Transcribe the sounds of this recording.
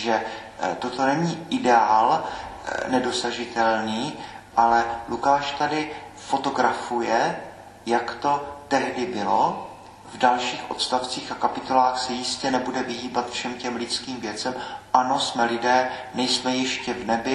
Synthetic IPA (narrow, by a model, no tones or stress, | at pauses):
ʒɛ | t̪ot̪o̞nɛɲiːʔɪdɛaːl | nɛdo̞saʒɪt̪ɛlniːʔalɛlʔukaːʃt̪adɪ | fo̞t̪o̞ɡɾafujɛ | jakt̪o̞t̪ɛɦdɪbɪlo | vdalʃiːxʔo̞̰t̪st̪aft͡siːxakapɪt̪olaːxsɛjɪscɛnɛbudɛvɪɦiːbat̪fʃɛmcɛmlɪt͡skiːmvjɛt͡sɛmʔano̞smɛlɪdɛːnɛjsmɛjɛʃcɛvnɛbɪ